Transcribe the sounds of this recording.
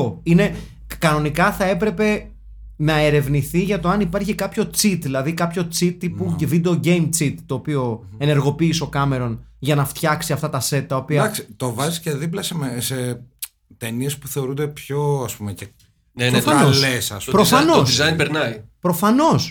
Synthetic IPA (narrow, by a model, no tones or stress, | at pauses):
oine̞ | kɐno̞nikɐθɐe̞pɾe̞pe̞ | nɐeɾe̞vniθiʝɐt̪o̞ɐnipɐɾçikɐpço̞t͡sit̪ðilɐðikɐpço̞t͡sit̪ipuvid̪eoɟe̞jmt͡sit̪ːo̞ːpio̞ | e̞ne̞ɾɣo̞piːso̞kɐme̞ɾo̞nʝɐnɐft̪çɐksiɐft̪ɐt̪ɐse̞t̪̚t̪ːɐo̞piɐɐksi̥t̪o̞vɐzisceðiplɐsemese | t̪enie̞spu̥θe̞o̞ɾund̪epço̞ɐspumece | ɾofɐnoslesɐspɾofɐnosizɐinpeɾnɐipɾo̞fɐno̞s